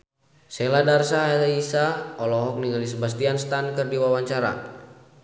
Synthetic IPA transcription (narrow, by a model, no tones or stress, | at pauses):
sɛladarsaaisaɔlɔɦɔk̚niŋalis̬əbast̪ianst̪ankərdiwawaɲt͡ʃaɾa̰